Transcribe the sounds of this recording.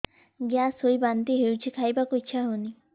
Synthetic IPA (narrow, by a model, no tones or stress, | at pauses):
ɡjasujbant̪iɦewt͡ʃʰikʰajbakoitːʃʰaɦuni